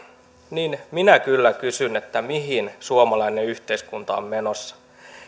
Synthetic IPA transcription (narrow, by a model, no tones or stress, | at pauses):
niːnminækylːækysynet̪ːæmiɦinsuomɑlɑine̞yht̪e̞iskunt̪ɑ̰o̰mːe̞no̞sːɑ̥